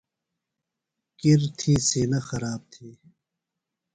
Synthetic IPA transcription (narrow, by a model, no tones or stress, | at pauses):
kiɾt̪ʰiːsiːnaxɐɾaːb̚t̪ʰiː